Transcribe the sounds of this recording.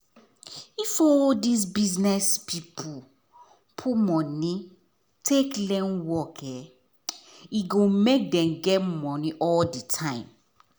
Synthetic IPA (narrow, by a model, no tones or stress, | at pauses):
ifɔldis̬biznɛspʰipʰu | pʰumɔ̃ni | tʰeklɛ̃nwɔkɛ | iɡomek̚dɛ̃mɡɛtmɔniʔɔldətʰãɪ̃m